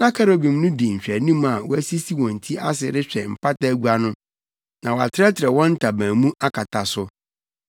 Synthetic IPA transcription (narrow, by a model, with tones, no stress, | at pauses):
nã˦kʰa˦ɾo˨bĩ˨m˦nʊ̃˦di˨ɲ̩˨ɕᶣɾɛ˨nĩ˦m˦a˨wɔ˦æ˦si˦si˦wɔ̃˨n̩˨tʰi˦a˦sɪ˨ɾɪ˦ɕᶣɛ˨m̩˨pʰa˦ta˦ɡu˦a˨nʊ̃˦ | nã˨wɔ˨a˨tʰɪ˦ɾɛ˦tʰɪ˨ɾɛ˨wɔ̃˦n̩˦tʰa˨bãː˨mũ˦ʔa˦kʰa˨tʰa˨sʊ˦